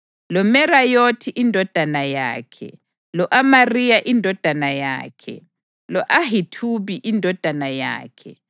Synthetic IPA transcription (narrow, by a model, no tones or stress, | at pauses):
lɔmɛrajotʰiʔindʱɔd̥ʱanaja̰ːkʰɛ̰ | lɔʔamarijaʔindʱɔd̥ʱanaja̰ːkʰɛ̰ | lɔʔahitʰuβiʔindʱɔd̥ʱanaja̰ːkʰɛ